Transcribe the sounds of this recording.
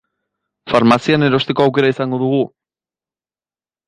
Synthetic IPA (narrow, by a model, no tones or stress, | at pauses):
faɾmasiane̞ɾo̞st̪e̞ko̞awke̞ɾaisaŋɡo̞ðuɣ̞u